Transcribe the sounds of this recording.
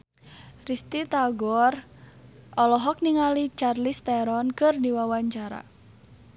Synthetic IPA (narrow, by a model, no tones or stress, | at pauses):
rist̪it̪aɡɔr | ɔlɔɦɔk̚niŋalit͡ʃarlist̪ɛɾɔnkɨrdiwawaɲt͡ʃaɾa̰